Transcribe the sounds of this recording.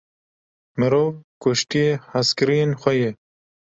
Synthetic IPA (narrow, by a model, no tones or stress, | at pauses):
mɨɾoːvkʊʃt̪ijehaskɨɾijeːnxʷɛje